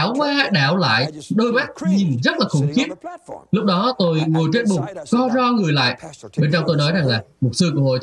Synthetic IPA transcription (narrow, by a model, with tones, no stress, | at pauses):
wkwaː˧ɗaː˧˩wla̰ː˧˨jɗo˧jma˦˥k̚ɲi˨˩mzə˦˥t̚laː˨˩xʊ̰˧˩ŋ͡mxi˦˥ət̚lʊ˦˥k͡p̚ɗɔ˨˦t̪o˧jŋo˨˩jt͡ɕe˦˥t̚ɓʊ˨˩k͡p̚kɔ˧zɔ˧ŋɨ˨˩əjla̰ː˧˨jɓe˧nt͡ɕɔ˧wŋ͡mt̪o˧jnɔ˨˦jza˨˩ŋlaː˨˩m˨˩t̚sɨ˧ku˧˩əho̰˧˨